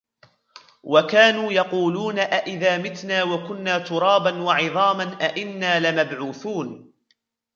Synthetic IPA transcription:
wakaːnuːjɑquːluːnaʔaʔɪðaːmɪt̪naːwakʊnːaːt̪ʊɾˤɑːbanwɑʕɪðˤɑːmanʔaʔɪnːaːlɪmabʕuːθuːn

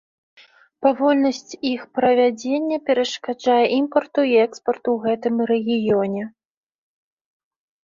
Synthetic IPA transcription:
pavɔlʲnɐsʲt͡sʲixpɾɐvʲad͡zʲenʲːɐpʲɛɾɐʂkad͡ʐajɛʔimpɐrt̪uiɛkspɐrt̪uwɣɛt̪ɨmrɛɣʲijɔnʲɛ

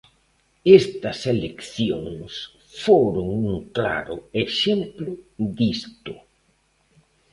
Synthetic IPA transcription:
est̪ɐselekθjoŋs | foɾʊŋuŋkla̰ɾʊeʃemplʊðist̪ʊ

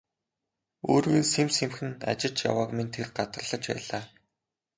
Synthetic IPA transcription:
oːɾwiːnsemsemxɘ̆na̰t͡ɕɪ̆t͡ɕja̰waːkmint̪ʰerɢat̪ə̆rɮə̆t͡ɕpæ̰ːɮaː

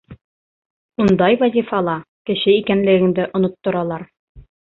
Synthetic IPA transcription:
und̪ɑjwæzʲifɑlˠɑ | kɘ̆ɕɘikænlɘ̆ɡɘ̆ŋd̪ɘʔŏnŏt̪ːŏɾɑlˠɑɾ

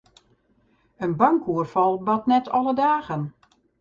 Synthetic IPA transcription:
ənbaŋkuərfɔlˠbɔtnɛtʰɔlˠədaːɣən

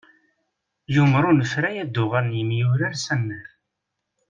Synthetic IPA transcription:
jʊmɾunəfɾæjæd̪ːʊʁəɾnjəmjʊɾaɾsænːæɾ

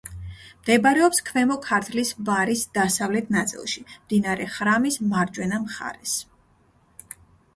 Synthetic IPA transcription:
md̪̥ɛbɾɛɔpskʰvɛmɔkʰaɾt̪ʰlisvaɾisd̪̥asavlɛt̪ʰnat̪sʼḭlˠʃimd̪inaɾɛχɾamismaɾd͡ʒwɛnamχa̰ɾɛs

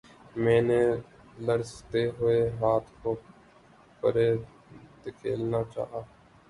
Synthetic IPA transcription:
mɛ̃ːneː | ləɾst̪eːɦʊeɦaːt̪ʰkoː | pəɾeː | d̪kʰḛːlnaːt͡ʃa̰ːɦaː

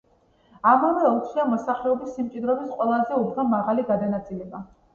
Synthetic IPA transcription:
amavɛut̪ʰχiamɔsaχlɛɔbisːimtt͡ʃʼid̪ɾɔbisqʼwɛlˠazɛubnamaʁaliɡad̪anat̪sʼilɛba

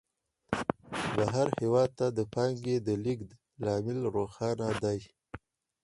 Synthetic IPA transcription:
baɦaɾhewɑd̪̚t̪ad̪əpɑŋɡed̪əlik̪ | lɑmɪlɾoxɑnad̪aj

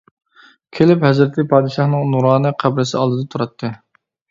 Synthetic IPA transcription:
kʲʰelɪphɛzɾɪt̪ʰɪpʰɑːd̪ɨʃɑχnɨŋnuɾɑːnɨqʰæblɪsɪɑ̰lˠd̪ɨd̪ɑt̪ʰuɾɑt̪ʰːɨ

